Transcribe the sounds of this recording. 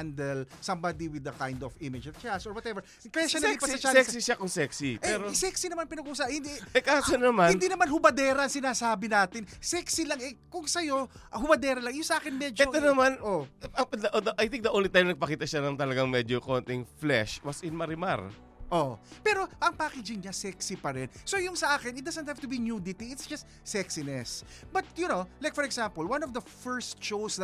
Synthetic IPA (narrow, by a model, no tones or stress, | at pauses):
and̪ɛlsɐmbad̪iwɪd̪ɐkajnd̪ɔfɪmɪd͡ʒɔt͡ʃasɔɹwɐt̪ɛvɛɹ | kɐjaʃaipɐɐt͡ʃasksiʃakʊŋsɛksipɛɾosɛksinɐmanpɪnɐɡusaːɐnhɪnd̪iɛkaːsonɐmanɪnd̪iːnɐmanhʊbɐd̪ɛːɾɐʔɐŋsɪnaːsaːbɪnaːt̪ɪnsɛksɪlɐŋɛkʊŋsɐjo̞ʔhʊbɐd̪ɛːɾɐlɐŋjʊŋsɐʔaːkɪnmɛd͡ʒɛot̪onɐmanopd̪ɐʔod̪ɐʔajθɪ̃ŋk̚d̪ɐʔoːnlɪt̪ːajnɐɡ̚pɐkiːt̪ɐʃanɐŋt̪ɐlɐɡaŋmɛd͡ʒokont̪ɪŋflɛʃwɐsɪnmɐɾɪma̰ɹ | ʔo̰pɛːɾo̞ʔɐŋpaːkɛd͡ʒɪŋɲasɛksɪpɐɾɛnso̞jʊŋsɐʔaːkɛnɪt̚d̪ɐsɐnt̪̚haft̪ʊbinuːd̪ɪt̪iɪt̪sd͡ʒɐst̪sɛksɪnɛsbɐt̪̚jʊnolajkfɔɹɛɡsampolwɐ̃nɔvd̪ɐfɛɹst̪ʃows